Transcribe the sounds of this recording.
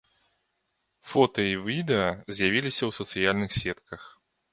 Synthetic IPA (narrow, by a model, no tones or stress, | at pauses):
fɔt̪ɐivʲid̪ɛɐzʲjavʲilʲisʲɐwsɐt̪sɨjalʲnɨxsʲɛt̪kɐx